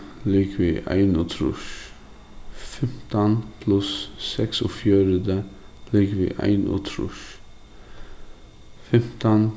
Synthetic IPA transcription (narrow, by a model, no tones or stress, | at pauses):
lɪkʋiːʔæ̰ɪnʉːt̪ʰɾʉ̰ʃ | fɛmt̪ənpʰlʊsːɛksɔfjøːɾəd̪əlɪːkʋḭːʔæ̰ɪnʉ̰ːt̪ʰɾʉ̰ʃ | fɛmt̪ən